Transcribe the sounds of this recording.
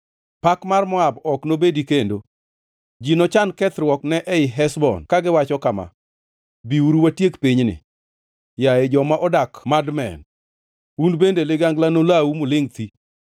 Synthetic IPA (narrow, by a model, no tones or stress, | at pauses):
pakmarmɔabɔknobedikendo | d͡ʒinɔt͡ʃankɛt̪ɾwɔknɛʔɛɪɦɛsbɔ̰nkaɡɪwat͡ʃɔkama̰ | biuɾuwatjekpiɲnɪ̰ | jaed͡ʒɔmaʔɔdakmadmɛ̰n | unbendelɪɡaŋɡlanolawumʊlɪŋt̪i